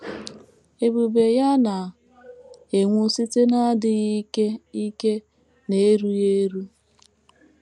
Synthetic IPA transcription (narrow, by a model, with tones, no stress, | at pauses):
e˨bu˨be˨ja˦na˨ | e˨ŋʷu˦si˦te˦na˦dɪ˦ɣi˦ke˦i˦ke˦ | ne˨˦ɾu˦je˦ɾu˦